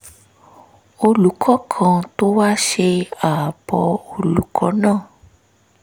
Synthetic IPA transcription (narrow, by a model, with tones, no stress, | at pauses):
o˧lu˨˦kʰɔ˦kʰã˧to˦wa˦ʃe˧a˨b̥ɔ˧o˧lu˨˦kʰɔ˦nãː˦˨